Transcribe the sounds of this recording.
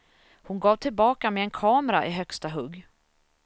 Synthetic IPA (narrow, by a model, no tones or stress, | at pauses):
hʊnɡɑːvt̪ʰɪlbɑːkamɛɛnkʰɑːmɾaʔɪɦœkst̪aɦɵɡː